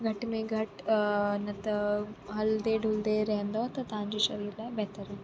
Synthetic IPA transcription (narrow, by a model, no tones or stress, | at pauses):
ɡʱɐʈmẽɡʱɐʈnɐt̪ɐɦɐld̪eɖʱʊld̪eɾɐɦə̃nd̪at̪ɐt̪ɐʋ̤ãɲd͡ʑiːʃɐɾiːɾlaːɪbɐɦt̪əɾɦɛɦ